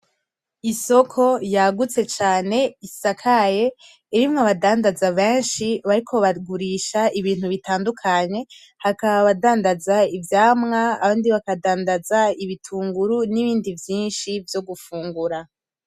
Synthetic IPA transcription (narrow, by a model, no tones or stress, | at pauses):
iso̞kʰo̞jaɡut͡se̞t͡ʃaːne̞isakʰaje̞ː | ɾimŋaβadaːndazaβeːnʃiβaɾikʰo̞βaɡuɾiːʃaiβiːn̥huβitaːndukʰaɲe̞ | hakaβaβadaːndazaivjaːmŋaːβaːndiβakadaːndazaiβitʰuːŋɡuɾuniβiːndivjiːnʃivjo̞ɡufuːŋɡuɾa